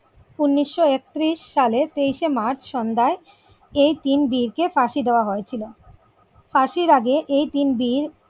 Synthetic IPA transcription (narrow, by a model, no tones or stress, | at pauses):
unːiʃːoek̚t̪ɾiʃːalet̪ejʃemaɾt͡ɕʰʃɔnd̪ae | ejt̪inbiɾkefaʃid̪eoaɦoet͡ɕʰilo | faʃiɾaɡeʔejt̪inbiɾ